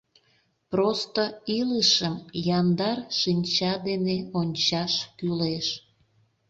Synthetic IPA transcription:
prost̪oiləʃəmjɑnd̪ɑrʃinʲt͡ɕɑd̪eneonʲt͡ɕɑʃkyleʃ

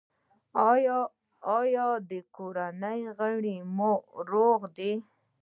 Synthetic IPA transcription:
jː | jɑd̪əkoɾanəjɣəɽimoɾoɣd̪i

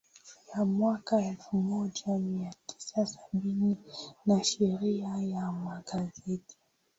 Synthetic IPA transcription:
jamwakaɛlfumɔʄamiatʰi̥sasaɓininaʃɛɾiajamaɡazɛti̥

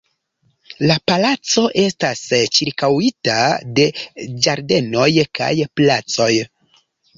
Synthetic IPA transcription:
lapalat͡so̞ʔe̞stast͡ʃiɾkawitade̞d͡ʒaɾde̞no̞jka̰jplat͡so̞j

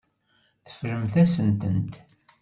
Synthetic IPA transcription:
θə̥fɾəmθæsənt̪ənt̪

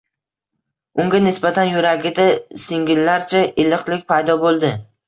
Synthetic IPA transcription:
ʊŋɡʲanɪsbat̪ʰanjʊɾaɡʲɪd̪asɪŋɡʲɪlːaɾt͡ʃʰaʔɪlɨqlˠɪkʲpʰajd̪ɒbolˠd̪ɪ

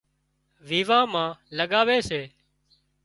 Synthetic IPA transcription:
ʋiːʋãːmãːləɠaːʋeːseː

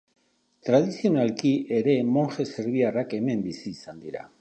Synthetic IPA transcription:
t̪ɾað̞isio̞nalkiʔe̞ɾe̞mo̞nxe̞se̞ɾβ̞iarake̞me̞mbisiːsand̪iɾa̰

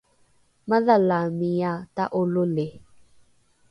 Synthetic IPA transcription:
maðalamijataʔolole

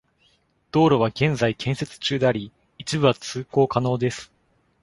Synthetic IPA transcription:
d̪̥o̞ːɾo̞β̞aɡẽ̞nd͡zaikʰẽ̞ɰ̃se̞t͡sɨ̥t͡ɕɨːd̪e̞aɾʲi | it͡ɕibɯ̟βat͡sɨːko̞ːkano̞ːd̪e̞sɨ̥

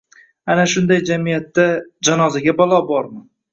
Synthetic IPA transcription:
anaʃʊnd̪ajd͡ʒamijat̪ːad͡ʒanɒzaɡʲabɒlˠɒbɒɾmɪ

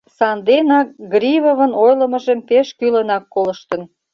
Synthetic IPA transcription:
sɑnd̪enɑk̚ɡɾʲiβoβə̆nojləməʒəmpeʃkylənɑkːoləʃt̪ə̆n

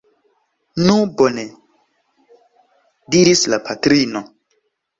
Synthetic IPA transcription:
nubone | diɾislapʰatɾino

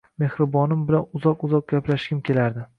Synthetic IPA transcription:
me̞hɾɪbɒnɪmbɪlanʊzɒqʊzɒq̚ɡʲaplaʃɡʲɪmkʲʰe̞laɾd̪ɪ

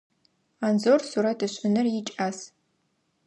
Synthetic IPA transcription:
aːnzorsuɾɐtʰɨɕʷʼɪnɨrjɪt͡ʃʼaːs

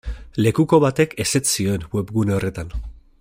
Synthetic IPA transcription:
le̞kuko̞βat̪e̞ke̞se̞sio̞enwe̞pɣuneo̞re̞t̪an

